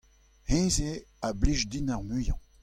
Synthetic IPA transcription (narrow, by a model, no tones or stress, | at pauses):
hẽːzeabliʒd̪inaʁmyjɑ̃